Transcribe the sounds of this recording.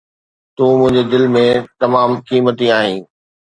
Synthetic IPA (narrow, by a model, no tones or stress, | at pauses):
t̪uːmʊ̃ɦɪ̃ɲd͡ʑed̪ɪlmẽt̪ɐmaːmkiːmət̪ĩaːɦĩː